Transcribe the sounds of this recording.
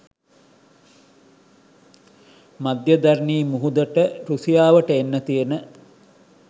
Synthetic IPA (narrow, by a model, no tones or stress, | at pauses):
mad̪jəd̪aɾniːmuɦud̪əʈəɾusijaːʋəʈəenːət̪ijenə